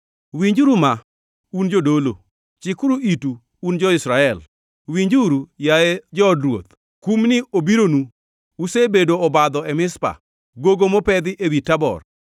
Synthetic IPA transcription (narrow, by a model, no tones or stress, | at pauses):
wiɲd͡ʒuɾuma | und͡ʒodolo | t͡ʃɪkuɾuituː | nd͡ʒɔɪsɾaɛl | wiɲd͡ʒuɾujaed͡ʒɔːdɾwot̪ | kumnɪobiɾonu | usebedoɔbad̪ɔɛmɪspa̰ | ɡoɡomopɛd̪ɪʔewitabɔ̰r